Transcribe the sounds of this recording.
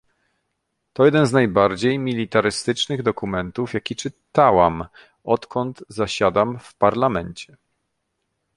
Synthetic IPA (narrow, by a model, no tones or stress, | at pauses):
t̪ɔjɛd̪ɛnznajbaɾd͡ʑejmʲilʲit̪aɾɘst̪ɘt͡ʂnɘɣd̪ɔkumɛnt̪ufjakʲit͡ʂɘt̪awam | ɔt̪kʰɔnd̪zaɕad̪amfpaɾlamɛɲt͡ɕɛ